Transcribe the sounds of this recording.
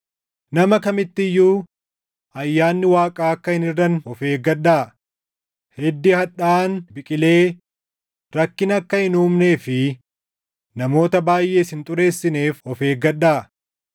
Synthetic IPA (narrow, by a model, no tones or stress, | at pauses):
nɐmɐkɐmɪt̪ːɪjːuː | ɐjːaːnːɪwaːkʼaːɐkːɐhɪnɪrːɐnɔfe̞ːɡɐɗːaː | hɛd̪ːɪhɐᶑaːnbɪkʼɪle̞ː | ɾɐkːɪnɐkːɐhɪnuːmne̞ːfɪ | nɐmo̞ːt̪ɐbaːjʔe̞ːshɪnt̪ʼʊɾe̞ːsːɪneːfɔfe̞ːɡɐɗːaː